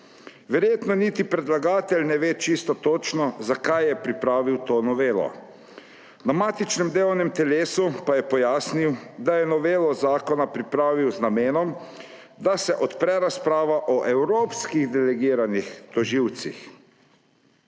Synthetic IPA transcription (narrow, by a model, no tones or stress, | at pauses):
ʋɛɾjeːt̪nɔnit̪ipɾɛd̪laɡaːt̪ɛlʲnɛʋeːt͡ʃist̪ɔt̪oːt͡ʃnɔzakajɛpɾipɾaːʋiwt̪oːnɔʋeːlɔ̰ | namaːt̪it͡ʃnɛmd̪eːɔwnɛmt̪ɛleːsupajɛpɔjaːsniwd̪ajɛnɔʋeːlɔzaːkɔnapɾipɾaːʋiwznameːnɔm | d̪asɛʔɔt̪pɾɛɾaspɾaːʋaʔɔʔɛwɾoːpskiɣd̪ɛlɛɡiːɾanixt̪ɔʒiwt̪sḭx